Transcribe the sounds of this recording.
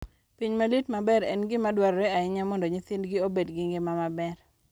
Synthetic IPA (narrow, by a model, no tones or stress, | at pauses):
piɲmalitmabɛɾɛ̰nɡɪmadwaɾɔɾeaɪɲamɔndoɲɪθɪndɡɪobedɡɪŋɡɪmamabɛr